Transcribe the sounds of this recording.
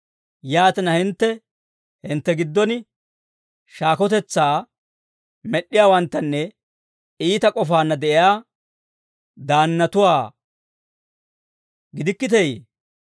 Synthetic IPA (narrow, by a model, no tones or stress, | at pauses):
jaːt̪ɪnɐhɪnt̪ːɛ | hɪnt̪ːɛɡɪd̪ːɔn | ʃaːkɔt̪ɛt͡sːaː | mɛɗːɪjaːwɐnt̪ːɐnːɛ | iːt̪ɐkʼɔfaːnːɐd̪ɛʔɪjaː | d̪aːnːɐt̪ʊwaː | ɡɪd̪ɪkːɪt̪ɛjḛ